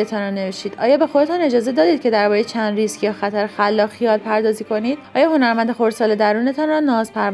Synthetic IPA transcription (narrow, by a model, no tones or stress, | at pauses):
et̪ʰɒnɾɒne̞veʃt̪iːd̪̥ʔɒ̰ːjɒːbe̞xo̞d̪e̞t̪ʰɒne̞d͡ʒɒːze̞d̪ɒːd̪iːd̪̚cʰe̞d̪æɾbɒɾejet͡ʃʰænd̪ɾiscʰijɒxæt̪ʰæɾexælːɒːxijɒːlpʰæɾd̪ɒːziːko̞niːd̪ɒːjɒːho̞næɾmænd̪e̞xo̞ɾsɒːled̪æɾuːne̞t̪ʰɒnrɒnɒzpʰæɾ